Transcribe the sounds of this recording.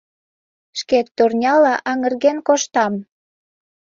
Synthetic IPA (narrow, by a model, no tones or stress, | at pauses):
ʃket̪ːurnʲɑlɑʔɑŋə̆rɣenkoʃt̪ɑm